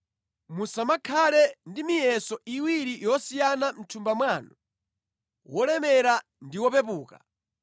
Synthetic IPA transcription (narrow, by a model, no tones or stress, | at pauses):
musamakʰalɛndimijɛsɔiwiɾijɔsijanam̩tʰumbamwaːnu | wɔlɛmɛɾa | ndiwɔpɛp̬uːka